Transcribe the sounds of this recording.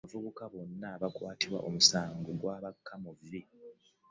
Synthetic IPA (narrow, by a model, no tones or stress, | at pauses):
avuβukaβo̞nːaβakwaːtiβwa̰ʔomusaːŋɡoɡwaːβakʰːamuvɾi